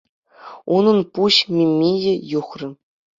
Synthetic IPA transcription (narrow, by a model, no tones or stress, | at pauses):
unɤ̆npuɕmʲemʲːejɘ̆juχrʲɤ̆